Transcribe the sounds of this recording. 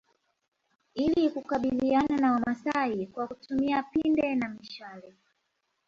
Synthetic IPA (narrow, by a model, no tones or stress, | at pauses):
ilikukaɓiliananawamasaikwakutumiapindɛnamiʃalɛ